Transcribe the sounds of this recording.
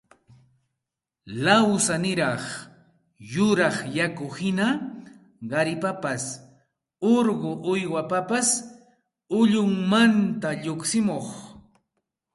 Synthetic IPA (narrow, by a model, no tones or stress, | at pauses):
lawsanɪɾɑχ | jʊɾɑχjakʊhɪna | ɢɑɾɪpapas | oɾɢoʔʊjwapapas | ʊʎʊŋmant̪aʎoksɪmoχ